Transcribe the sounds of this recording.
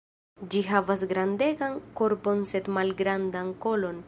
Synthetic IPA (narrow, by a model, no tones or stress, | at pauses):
d͡ʒiɦavas̬ɡɾande̞ɡanko̞ɾbo̞nse̞t̪malɡɾandanko̞lo̞n